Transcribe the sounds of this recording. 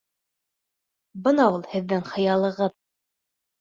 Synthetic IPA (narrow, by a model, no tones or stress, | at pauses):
bɤnɑulˠhɘ̆ðːɘŋχɤ̆jɑlˠɤ̆ʁɤð